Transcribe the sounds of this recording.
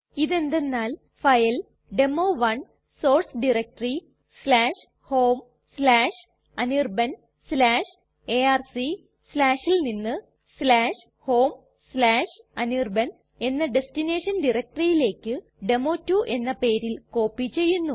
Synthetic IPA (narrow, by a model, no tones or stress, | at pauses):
iðe̞nd̪e̞nːaːl | fɐjɐl | ɖe̞moːʋɐn | so̞ːrsɖirek̚ʈɐri | slaːʂ | ho̞ːm | slaːʂ | ɐnirbɐn | slaːʂ | e̞aːrsi | slaːʂilninːɨ | slaːʂ | ho̞ːm | slaːʂ | ɐniːrbɐn | e̞nːɐɖe̞stine̞ːʂɐnɖirɐk̚ʈrijile̞ːkːɨ | ɖe̞moːtːuːʔe̞nːɐpeːɾilko̞ːpːit͡ɕːe̞jːunːu